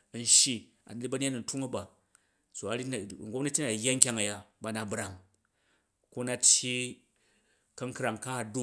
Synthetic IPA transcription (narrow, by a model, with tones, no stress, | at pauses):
n̩˦ʃi˦ | a̰˨n˨lʲi˦bɐ˦n˦a˦nu˨n˨tu˦ŋɐ˦ba˨ | so˨a˨ɾi˦n̩˨ɡʷo˦pnɐ˦tʲːi˦na˨jːa˦ŋ̩˦kʲa˦ŋa˨ja˦ba˨na˨bɾa˨ŋ | ku˦na˦tʲji˦ | kɐ˦ŋkɾa˨ŋka˦a˨du˦